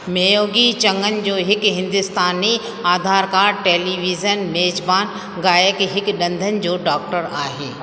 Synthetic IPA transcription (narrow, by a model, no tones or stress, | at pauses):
meːjoːɡit͡ɕɐ̃ŋɡənɪ̆d͡ʑoːɦɪkɦɪ̃nd̪ʊst̪aːni | aːd̪ʱaːɾkaːɾʈeːliːʋiːzənmeːd͡ʑbaːn | ɡaːjəkɦɪkɗɐ̃nd̪ʱənɪ̆d͡ʑoːɖaːk̚ʈəɾaːɦḛː